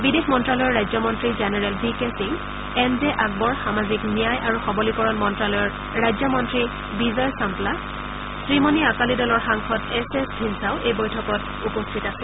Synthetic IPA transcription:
bidexmɔntɹalɔjɔɹɹajzɔmɔntɹizenɛɹɛlbikesiŋ | ɛnzɛʔaɡ̚bɔɹxamaziknijajʔaɹuxɔbɔlikɔɹɔnmɔntɹalɔjɔɹ | ɹajzɔmɔntɹi | bizɔjsampla | sɹimɔniakalidɔlɔɹxaŋxɔtɛsɛsdʱinsaʊʔejbɔjtʰɔkɔt | upɔstʰitasɛ

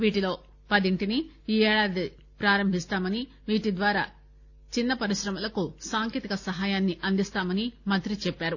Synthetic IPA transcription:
ʋiːʈilo̞ː | pɐd̪iɳʈini | iːɛːɭaːd̪i | pɾaːɾɐmbʱist̪aːmɐni | ʋiːʈid̪ʋaːɾa̰ː | t͡ʃinːɐpɐɾiʃɾɐmɐlɐkusaːŋkeːt̪ikɐsɐɦaːjaːnːiʔɐnd̪ist̪aːmɐnimɐnt̪ɾit͡ʃɛpːaːɾu

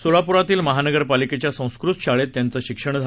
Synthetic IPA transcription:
solapuɾat̪iːlməɦanəɡəɾpaliket͡ɕjasə̃w̃skɾut̪ɕaɭet̪ːjant͡səːɕikʂəɳ̃d͡z̪ʱa

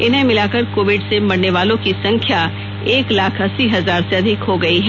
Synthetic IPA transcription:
ɪnɦẽmɪlaːkɐɾkoːʋɪɖsemɐɽneʋaːlõkisɐ̃ŋkʰja | eːklaːkʰɐsiɦɐzaːɾseɐd̪ʱɪkɦoɡɐiɦɛ

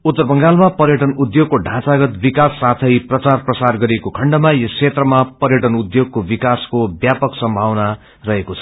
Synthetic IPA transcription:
ut̪ːʌrbʌŋɡalmapʌɾjʌʈʌnud̪joɡ̚koɖʱãt͡saɡʌt̪bikasːat̪ʰʌjprʌt͡sarprʌsarɡʌɾiekokʰʌɳɖʌmajʌkʰet̪rʌmapʌɾjʌʈʌnud̪joɡ̚kobikaskobjapʌksʌmbʱawna | rʌɦekot͡sʰʌ̥

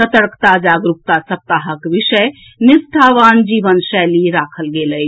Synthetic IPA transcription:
sət̪əɾkʰt̪ad͡ʒaɡɾup̚t̪asəp̚t̪aɦəkbisəj | nisʈʰaʋand͡ʒibənsɛliɾakʰəlɡeləj

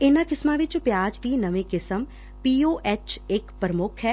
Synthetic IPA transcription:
ɪnãːkɪsmãːʋɪt͡ʃpjaːd͡ʒd̪iːnəʋẽːkɪsəm | piːoːʔɛːt͡ʃɪkpɾəmʊkʰɦɛː

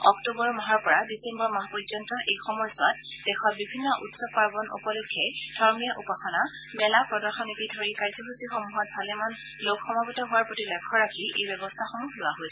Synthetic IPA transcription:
ɔk̚tubɔɹmɔɦaɹpɔɹadisembɔɹmaɦpɔzɔntɔʔejxɔmɔjɔsʊatdɛxɔt̚bibʱinːɔʔutsɔb̚paɹɡɔnṵpɔlokʰːɛdʱɔɹmijaʔupaxɔna | mɛlapɹɔdɔɹxɔnekidʱɔɹikaɹzɔxusixɔmuɦɔt̚bʱalɛman | lokxɔmabɔtɔɦʊaɹpɹotilɛkʰːɔɹakʰiʔḛjbjɔbɔstʰaxɔmulʊwaɦojsɛ̥

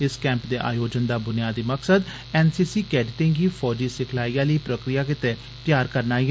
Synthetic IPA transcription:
ɪskɛ̃ːmpd̪eːʔa̰ːjoːd͡ʒənd̪aːbʊnɪjaːd̪iːməksəd̪ | ɛːnsiːsiːkɛːɖɪʈẽŋɡiːfʰɔːd͡ʒiːsɪkʰlaːiːjãːləiːpɾəkɾɪjaːkɪt̪eː | t̪jaːɾkəɾnaːi

